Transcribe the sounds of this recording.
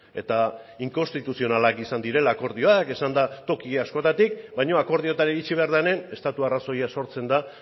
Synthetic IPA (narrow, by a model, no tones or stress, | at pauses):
e̞t̪a | iŋko̞nst̪it̪usio̞nalakisand̪iɾe̞laːko̞ɾðio̞ake̞sand̪at̪o̞kiɣasko̞t̪at̪ik̚bajɲo̞ako̞ɾð̞io̞t̪aɾeit͡ʃiβ̞e̞aɾðane̞ne̞st̪at̪uaraso̞jaso̞ɾt͡se̞nd̪a